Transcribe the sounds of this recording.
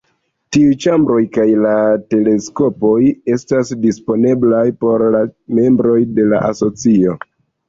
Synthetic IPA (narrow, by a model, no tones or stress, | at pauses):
tiujt͡ʃambɾo̞jkajlate̞le̞sko̞po̞je̞stasdispo̞ne̞blajpo̞ɾlame̞mbɾo̞jde̞laʔaso̞t͡sio̞